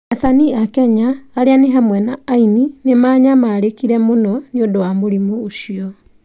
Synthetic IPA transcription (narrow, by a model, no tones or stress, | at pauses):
asaniakɛɲaːɾeaneɦamwɛnaːininemaːɲamaːɾekiɾɛmonɔniodowamoɾimuːʃiɔ